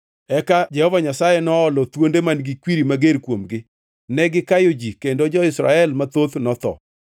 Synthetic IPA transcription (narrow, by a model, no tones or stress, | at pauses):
ɛkad͡ʒɛhɔvaɲasajenɔːlɔt̪wondemanɡikwiɾimaɡeɾkwomɡɪ | nɛɡɪkajod͡ʒikendod͡ʒɔɪsɾa̰ɛlmat̪ot̪nɔt̪ɔ̰